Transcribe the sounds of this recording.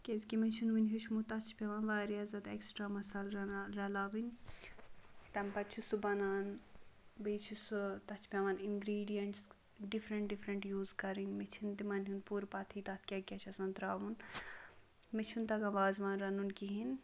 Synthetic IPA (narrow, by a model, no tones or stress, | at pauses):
kezkimet͡ʃʰunʋinɦut͡ʃʰmut̪ɐt͡ʃʰpʲɐʋɐːnʋaːɾijazɐt̪eksʈɾaːmɐsɐlɾɐlaːʋinʲ | t̪ɐmpɐtt͡ʃʰusubɐnaːn | beːt͡ʃʰusut̪ɐt͡ʃʰpʲɐʋɐninɡɾiːɖijɐɳʈs | ɖifɾɐɳʈ̚ɖifɾɐɳʈjuːzkɐɾinmet͡ʃʰint̪imɐnɦunpuːɾpɐt̪ʰiːt̪ɐt̪ʰkʲɐkʲɐt͡ʃʰɐsɐnt̪ɾaːʋun | met͡ʃʰunt̪ɐɡɐnʋaːzʋanɾɐnunkiɦin